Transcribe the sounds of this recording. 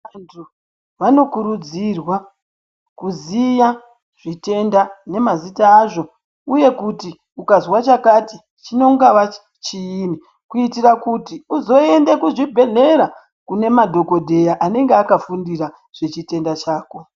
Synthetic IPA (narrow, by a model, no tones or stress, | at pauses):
antʰu | ʋano̞kuɾud͡zirwa | kuzija | ʐ̥ite̞ndane̞mazitaːʐo̞ | uje̞kuti | ukazwat͡ʃakati | t͡ʃino̞ŋɡaʋa | t͡ʃiːni | kuitirakutiuzo̞e̞nde̞kuʐibʱe̞ɮe̞ɾa | kune̞madʱo̞ko̞dʱe̞jaʔane̞ŋɡeakafundiɾa | ʐ̥e̞t͡ʃite̞ndat͡ʃaːko̞